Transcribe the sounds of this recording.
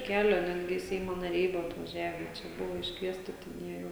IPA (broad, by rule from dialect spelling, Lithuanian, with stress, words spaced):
ˈkʲæːlʲoː ˈnʲæːdʲɡʲɪ ˈsʲɛɪmoː nɐˈrʲɛɪ ˈbʊʋoː ɐtʋɐˈʒʲæːʋʲɛ ˈt͡ʃʲɛ ˈbʊʋoː ɪʃkˈʋʲiɛsʲtʲɪ tʲɛn ˈjiɛ jɛʊ